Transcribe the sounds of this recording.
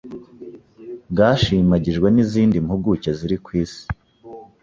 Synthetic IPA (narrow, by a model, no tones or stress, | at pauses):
ɡaːʃimaɟiʒɡwe̞niziːndimhuɡuceziɾikwiːsi̥